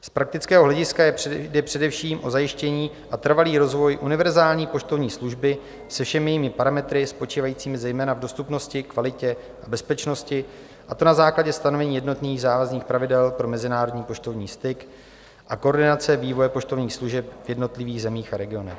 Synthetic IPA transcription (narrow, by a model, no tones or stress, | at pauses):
spɾak̚t̪ɪt͡skɛːɦo̞ɦlɛɟɪskadɛpr̥ɛdɛfʃiːmʔo̞zajɪʃcɛɲiː | ʔat̪r̩valiːɾo̞zvo̞jʔunɪvɛɾzaːlɲiːpo̞t͡ʃt̪o̞vɲiːsluʒbɪ | sɛfʃɛmɪjɛjimɪpaɾamɛt̪ɾɪspo̞t͡ʃiːvajiːt͡siːmɪzɛjmɛːnavdo̞st̪upno̞scɪkvalɪcɛ | ʔabɛspɛt͡ʃno̞scɪ | ʔat̪o̞nazaːklaɟɛst̪ano̞vɛɲiːjɛdno̞t̪niːɣzaːvazniːxpɾavɪdɛlpɾo̞mɛzɪnaːɾo̞dɲiːpo̞t͡ʃt̪o̞vɲiːst̪ɪk | ʔako̞ːɾdɪnat͡sɛviːvo̞jɛpo̞ʃt̪o̞vɲiːxsluʒɛp̚vjɛdno̞t̪lɪviːɣzɛmiːxaɾɛɡɪo̞nɛ̰x